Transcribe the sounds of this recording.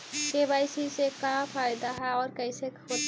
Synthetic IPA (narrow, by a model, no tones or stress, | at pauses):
kebajsisekãpʰajd̪aɦɛɔːɾkəɪseko